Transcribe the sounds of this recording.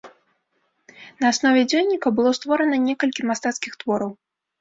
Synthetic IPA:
nɐːsnɔvʲɛd͡zʲɔjnʲːikɐbɨlˠɔst̪vɔɾɐnɐnʲɛkɐlʲkʲimast̪at̪skʲixt̪vɔɾɐw

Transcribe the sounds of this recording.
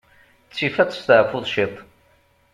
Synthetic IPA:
t͡sːifæt͡sˤst̪ʕfʊðˤʃit̪ˤ

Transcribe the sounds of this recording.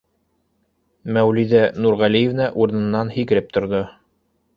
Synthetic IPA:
mæwliðænuɾʁælijevnæʔuɾɤ̆nɤ̆nːɑnhikɘ̆ɾɘp̚t̪ŏɾðo

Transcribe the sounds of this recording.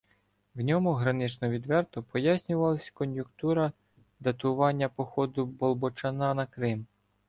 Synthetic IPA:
wnʲɔmʊɦɾɐnɪt͡ʃnɔʋʲid̪ʋɛrt̪ɔpɔjasʲnʲʊʋɐlˠɐsʲkɔnjʊkt̪uɾɐ | d̪ɐt̪ʊʋɑnʲːɐpɔxɔd̪ʊbɔlˠbɔt͡ʃɐnɑnɐkɾɪm

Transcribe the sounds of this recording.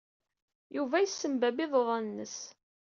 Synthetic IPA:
juvæjəsːəmbæbɪðˤoðˤɑnnːəs

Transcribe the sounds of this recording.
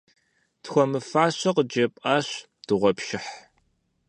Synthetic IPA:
txʷɔmɨfaːɕɐqəd͡ʒɐpʼaːɕ | d̥ɨʁʷɔpʃɪħ

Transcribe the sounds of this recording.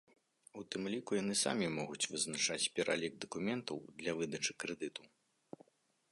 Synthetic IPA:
ut̪ɨmlʲikujanɨsa̰mʲimɔɣut͡sʲvɨznat͡ʂat͡sʲpʲɛɾʔa̰lʲiɡ̚d̪ɐkumʲɛnt̪ɐ̰wd̪lʲɐvɨd̪ɐt͡ʂɨkɾɛd̪ɨt̪u

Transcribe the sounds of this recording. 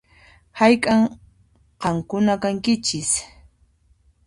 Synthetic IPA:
hajkʼaŋ | qɑmkʊnakaŋkɪt͡ʃɪs

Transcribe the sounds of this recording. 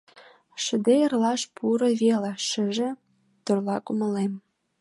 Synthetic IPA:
ʃə̆d̪eərlɑʃpʰuɾɤ̆βelɑʃə̆ʒĕ | t̪orlɑkumə̆lem

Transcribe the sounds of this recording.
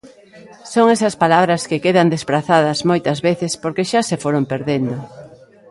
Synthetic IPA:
soŋesɐspalaβɾɐskekeðɐnd̪espɾaθaðɐzmojt̪ɐzβeθɪspoɾkeʃasefoɾompeɾðend̪o

